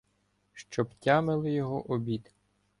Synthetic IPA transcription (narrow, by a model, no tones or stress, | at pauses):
ʃt͡ʃɔptʲamɪlˠɪjɔɦɔʔɔbʲit̪